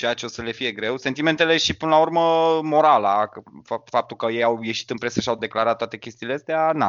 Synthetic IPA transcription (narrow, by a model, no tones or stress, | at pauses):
t͡ʃejat͡ʃeosəle̞fije̞ɡɾe̞wsent̪ime̞nt̪e̞le̞ʃipɨnəlaurməmo̞ɾalakəffap̚t̪ulkəje̞jawje̞ʃi̥t̪ɨnpɾesəʃiawd̪e̞klaɾat̪ːoat̪e̞kʲe̞st̪iːleəst̪eana